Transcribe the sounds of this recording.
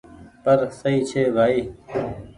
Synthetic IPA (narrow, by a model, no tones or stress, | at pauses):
pəɾsəiːt͡ʃʰeːbʱaːiː